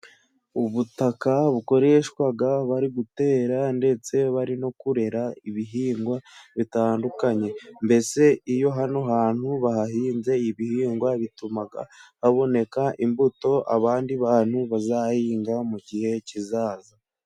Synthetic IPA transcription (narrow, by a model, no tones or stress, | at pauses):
uβutakaβuko̞ɾe̞ʃwaɡaβaɾiɡute̞ːɾande̞t͡se̞βaɾino̞kuɾe̞ɾaiβiɦiːŋɡwaβitaːndukaɲe̞mbe̞se̞ijo̞ɦano̞ɦaːn̥huβaɦaɦiːnze̞iβihiːŋɡwaβitumaɡa̰haβo̞ne̞kaʔimbuto̞ʔa̰βaːndiβaːn̥huβazaːhiːŋɡamuɟihe̞cizaːza